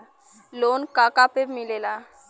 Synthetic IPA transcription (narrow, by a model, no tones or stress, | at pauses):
loːnkaːkapebmɪlelaː